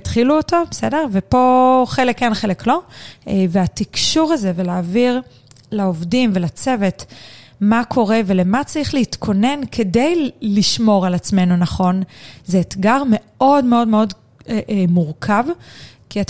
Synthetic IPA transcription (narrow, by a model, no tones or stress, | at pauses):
tχiluoto̞bese̞deʁvepo̞χelekːenχeleklo̞veatikʃuʁaze̞velaːviʁ | laovdimvelat͡se̞ve̞tmakʰo̞ʁe̞velemat͡saʁiχleitkʰo̞ne̞nkʰe̞de̞jliʃmo̞ʁalat͡sme̞nunaχo̞nzeːtɡaʁme̞ | o̞dmeo̞dmeo̞d | muʁkʰavkiat